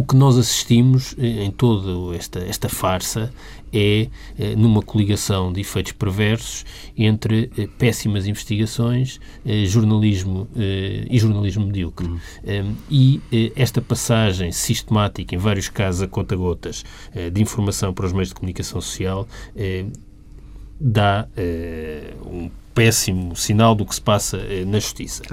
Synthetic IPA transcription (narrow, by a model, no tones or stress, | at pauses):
ukɨnɔzɐsi̥ʃt̪imuʃɛẽj̃t̪oðuɛʃt̪ɐɛʃt̪ɐfaɾsɐ | ɛ | ɛnumɐkulˠiɣɐsɐ̃w̃d̪ifɐjt̪u̥ʃpɨɾvɛɾsu̥ʃ | ẽnt̪ɾɨɛpɛsimɐzĩvɨʃt̪iɣɐsõj̃ʃ | ɛʒuɾnɐlˠiʒmuɛiʒuɾnɐlˠiʒmumðiukɾ | ɛiɛɛʃt̪ɐpɐsaʒɐ̃j̃siʃt̪mat̪ikẽj̃vaɾjuʃkazuzɐkɔt̪ɐɣɔt̪ɐʒ | ɛd̪ĩfuɾmɐsɐ̃w̃pɐɾɔʒmejuʒd̪ɨkumunikɐsɐ̃w̃su̥sialˠɛ | d̪aɛ | ṵ̃pɛsimusinalˠd̪uksɨ̥pasɐɛnɐʒu̥ʃt̪isɐ̥